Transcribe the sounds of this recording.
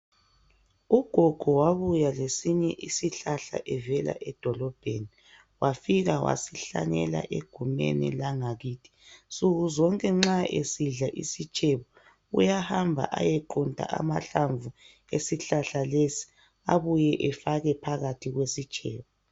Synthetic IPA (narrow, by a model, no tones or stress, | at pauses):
uɡ̥ʱɔɡ̥ʱɔwaβujalesiɲɛʔisiɬaɬa̰ʔɛvɛla̰ʔɛd̥ʱɔlɔb̥ʱeni | wafiɣawa̰siɬa̰ɲɛla̰ʔeɡ̥ʱumɛ̰nḭlaŋaɣiːtʰi̥suɣuzɔŋkʼɛŋ͡ǁaḛsiɮaʔḭsit͡ʃʼɛβɔ | ṵjahambʱa̰ʔajɛǃuntʼa̰ʔa̰ma̰ɬaɱvʱu | esiɬaɬalesi̥ | aβujɛʔɛfaɣɛpʰaɣatʰiɣwesit͡ʃʼɛ̰ːβɔ